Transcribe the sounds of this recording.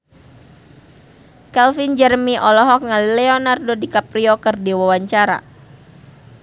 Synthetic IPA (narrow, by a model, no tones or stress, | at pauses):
kɛlfind͡ʒɛrmiʔɔlɔɦɔk̚ŋalilɛɔnardodikapɾiokɨrdiwawaɲt͡ʃaɾa̰